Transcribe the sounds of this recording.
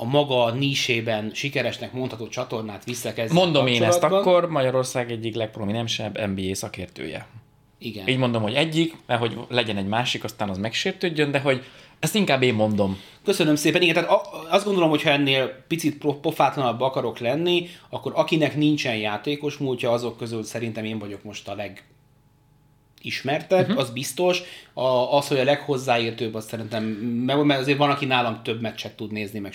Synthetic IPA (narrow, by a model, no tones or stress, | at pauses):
ɒmɒɡɒniːʃeːbɛnʃikɛɾɛʃnɛkmo̞nt̪hɒt̪oːt͡ʃɒt̪o̞rnaːt̪ʋisːɛkɛzmo̞nd̪o̞meːnɛst̪ɒkkːo̞rmɒɟɒɾo̞rsaːɡɛɟːiklɛk̚prominɛmʃɛbːɛ̰mbiːeːsɒkḛːrt̪ø̰ːjɛ̰ | iɡɛ̰niːɟmo̞nd̪o̞mho̞ɟɛɟːikmɛrɦo̞ɟlɛɟɛnɛɟmaːʃikɒst̪aːnɒzmɛkʃeːrt̪øːɟːønd̪ɛɦo̞ɟ | ɛst̪iŋkaːbːeːmːo̞nd̪o̞m | køsønømseːpɛniɡɛnt̪aːt̪ɒzd̪ɡo̞nd̪olo̞mhocʰhɒɛnːeːlpit̪sit̪propo̞faːt̪lɒnɒbːɒkɒɾo̞klɛnːiɒkːo̞ɾɒkinɛknint͡ʃɛnjaːt̪eːko̞ʃmuːlcɒɒzo̞kːø̞zylsɛɾint̪ɛmeːɱvɒɟo̞kmo̞ʃt̪ɒlɛɡ | iʃmɛrt̪ɛbɒzbist̪o̞ʃɒɒsho̞ɟɒlɛkho̞zːaːiːrt̪øːbɒssɛɾint̪ɛmːɛɡmɛrtɒzeːɾvɒlɒkinaːlɒmt̪ø̞bmɛt̪t͡ʃɛkt̪ːud̪neːznimɛ